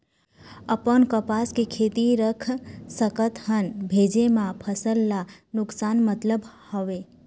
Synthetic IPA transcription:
əpənkəpaskekʰet̪iɾəkʰsəkət̪ɦənbʱed͡ʒemãpʰəsəlːanʊksaːnmət̪ləbhɔʋe

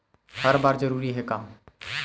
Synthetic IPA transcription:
həɾbaːɾd͡ʒəɾuːɾiːɦɛːkaːm

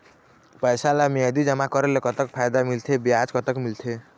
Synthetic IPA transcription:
pəjsalamiəd̪id͡ʒʌmakɔɾelekʌt̪əkpʰajd̪amilt̪ʰebiad͡ʒkʌt̪əkmilt̪ʰe

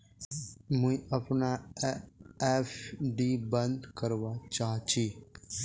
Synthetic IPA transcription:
mũĩɐpna | efɖibə̃nd̪kəɾʋat͡ʃaːɦt͡ʃʰi

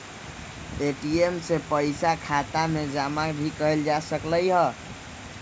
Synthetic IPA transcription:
eʈiemsepəjsakʰat̪amed͡ʒamakɾʱikəeld͡ʒasəkləjɦə

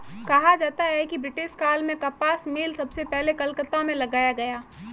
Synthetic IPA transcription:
kɐɦad͡ʒaːt̪aɦɛkibɾɪʈɪʃkaːlmẽkɐpaːsmeːlsɐbsepɛɦlekɐlkət̪amẽlɐɡaːjaɡɐjaː

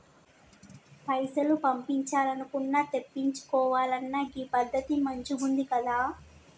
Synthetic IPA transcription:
pɐjsɐlupɐmpiɲt͡ʃaːlɐnukunːaːt̪e̞pːiɲt͡ʃu̥kɔːʋaːlɐnːɐɡiːpɐd̪ʱːɐt̪imɐɲt͡ʃubund̪ikɐd̪aː

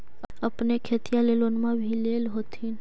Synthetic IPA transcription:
əpnekʰeːt̪ijãleːlonmãbʱileːlɦoːt̪in

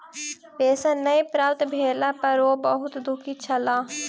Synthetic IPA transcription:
peːsãːnəĩpɾaːt̪bʱeːlaːpəɾoːbəɦʊt̪d̪ʊkʰiːt͡ʃʰəlaː

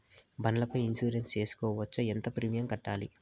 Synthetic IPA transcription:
bɐnɐlɐpɐjinsuːɾenst͡ʃe̞ːsu̥kɔːʋɐt͡ʃːɐent̪ɐpɾiːmijɐmkɐʈːaːlḭ

